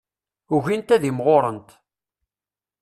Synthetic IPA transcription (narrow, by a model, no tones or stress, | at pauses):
ʊʝint̪æðimʁoɾˤənt̪